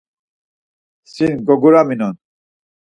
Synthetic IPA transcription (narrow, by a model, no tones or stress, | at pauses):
sinɡɔɡuɾaminɔn